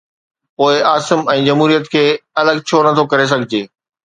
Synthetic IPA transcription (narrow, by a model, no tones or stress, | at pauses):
poːɪaːsɪmɛ̃ːd͡ʑɐmɦuːɾijət̪kʰeːɐləɡt͡ɕʰonɐt̪ʰokɐɾes̬ɐɡʱɪd͡ʑeː